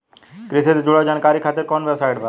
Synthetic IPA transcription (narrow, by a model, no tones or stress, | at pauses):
kɾɪset̪d͡ʒuɽad͡ʒaːnkaːɾikʰaːt̪ɪɾkɔːnʋebsaːjʈbʱa